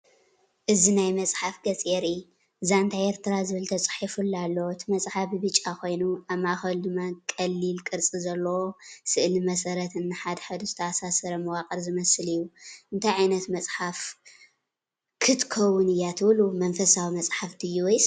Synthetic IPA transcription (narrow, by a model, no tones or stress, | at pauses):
ʔɨzinajmɐt͡sʼħafɡɐt͡sʼjeɾi | ɨzaɨnt̪ʰajeɾt̪ʰɨɾazɨβɨlt̪ʰɐt͡sʼħifulːalːoɨt̪ʰɨmɐt͡sʼħafibɨt͡ʃʼːakʰo̞jnuaβmaxɐld̪ɨmːakʼɐlːilkʼɨɾt͡sʼizɐlːɐwosɨʔlimɐsɐɾɐt̪ɨnːɨħad̪ħad̪uzɨt̪ʰɐasasɐɾɐmɨwakʼɐɾzɨmɐsɨlɨjːuʔɨnt̪ʰajʕajnɐt̪mɐt͡sʼħaf | kʰɨt̪kʰɐwːʊnɨjːat̪ʰɨβlumɐnfɐsawimɐt͡sʼħaft̪ʰɨjuwjs